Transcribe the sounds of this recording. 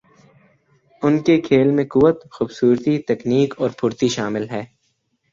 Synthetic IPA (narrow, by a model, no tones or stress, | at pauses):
ʊnkekʰeːlmẽkʊʋət̪xuːbsuːɾt̪it̪ɛkniːkɔːɾpʰʊɾt̪iʃaːmɪlɦɛː